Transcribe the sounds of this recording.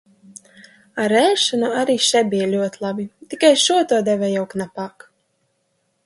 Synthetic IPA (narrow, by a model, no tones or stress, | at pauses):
aɾɛːʃɔnuaɾiːʃɛbʲijalʲuɔt̪ilˠabit̪ikajʃuɔt̪uɔd̪ɛvɛjawknapaːk